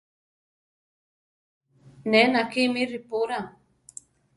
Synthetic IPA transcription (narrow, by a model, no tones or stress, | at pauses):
nɛnakimiɾipoɾaŋ